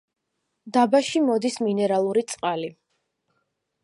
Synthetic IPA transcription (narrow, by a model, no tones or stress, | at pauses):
d̪abaʃimɔd̪isminɛɾalˠuɾit̪sʼqʼali